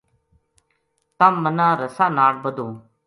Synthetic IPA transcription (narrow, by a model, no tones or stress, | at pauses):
t̪amːənãːɾəsaːnaːɽbəd̪õː